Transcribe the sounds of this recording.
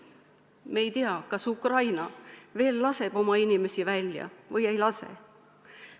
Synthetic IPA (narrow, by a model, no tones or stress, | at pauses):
meːjt̪iɑkɑsukrɑjnɑve̞ːlːɑse̞b̥o̞mɑinime̞sivælʲjɑ̰vɯje̞jlɑsḛ